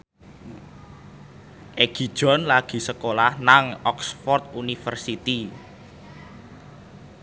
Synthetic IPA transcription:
ʔeɡ̥i̤d̥ʒ̥ɔ̤nlaɡ̥i̤səkolahnaŋɔksfɔrt̪̚unifərsit̪i

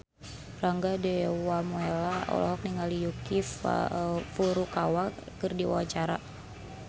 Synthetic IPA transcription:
raŋɡadɛwamuɛlaɔ̰lɔ̰ɦɔk̚niŋalijukif | fuɾukawakɨrdiwa̰wat͡ʃaɾa̰

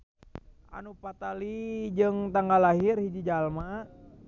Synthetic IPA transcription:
ʔa̰nupat̪alid͡ʒɨŋt̪aŋɡalaɦirhid͡ʒid͡ʒalma

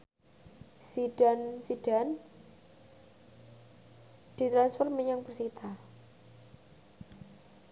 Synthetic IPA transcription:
sid̥a̤nsid̥an | d̪̥i̤t̪ɾansfɔrməɲaŋpərsit̪ʰa

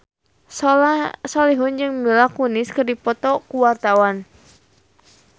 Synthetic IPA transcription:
ssɔliɦʊnd͡ʒɨŋmilakunɪskɨrdipɔt̪ɔkuwart̪awan

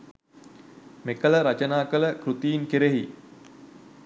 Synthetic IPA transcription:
mekələɾat͡ʃənaːkələkɾut̪ijːŋkeɾeɦi

